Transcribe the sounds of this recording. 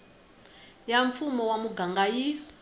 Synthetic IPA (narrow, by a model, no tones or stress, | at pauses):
jaɱfumɔwamuɡaŋɡaji